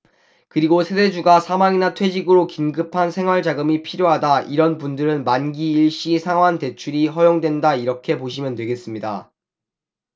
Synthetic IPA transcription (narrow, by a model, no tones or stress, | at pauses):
kɯɾiɡosʰede̞d͡ʑuɡasʰamaŋinatʰwe̞d͡ʑiɡɯɾokinɡɯpʰansʰe̞ŋɦwaɭd͡ʑaɡɯmipʰiɾjoɦadaʔiɾʌnpundɯɾɯnmanɡiːɭɕ͈isʰaŋɦwante̞t͡ɕʰuɾiɦʌjoŋdwe̞ndaiɾʌkʰe̞poɕ̬ʰimjʌntwe̞ɡe̞s͈ɯmɲida̰